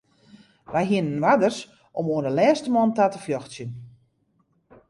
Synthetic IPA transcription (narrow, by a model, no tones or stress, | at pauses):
ʋɛjɦiənənʋadərs | ʔɔmoəndəlɛːstəmɔːntatəfjɔxsjən